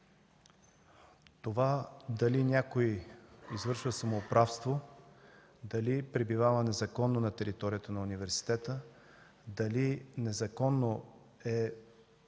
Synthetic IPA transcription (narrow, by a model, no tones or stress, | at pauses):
t̪ovad̪ɐlinʲakoiizvɤɾʃvəsɐmoːpɾafst̪vo | d̪ɐlipɾɛbivavənɛzɐkɔnːonɐt̪ɛɾit̪ɔɾʲijət̪ənɐunivɛɾsi̥t̪ɛt̪ə | d̪ɐlinɛzɐkɔnːo | ɛ